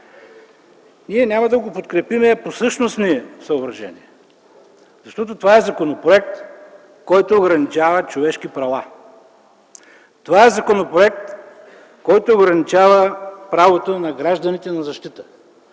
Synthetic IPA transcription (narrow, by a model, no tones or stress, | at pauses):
niɛnʲamɐd̪ɐɡopot̪kɾɛpimɛposɤʃnosniɛsɐobɾɐʒɛ̰nḭɛ | zɐʃt̪ɔt̪ot̪ovaɛzɐkonopɾoɛk̚t̪ | kɔjt̪oːɡɾɐnit͡ʃavət͡ʃovɛʃkipɾɐva | t̪ovaɛzɐkonopɾoɛkt̪ | kɔjt̪oːɡɾɐnit͡ʃavəpɾavot̪onɐɡɾaʒd̪ɐnit̪ɛnɐzɐʃt̪it̪ə̥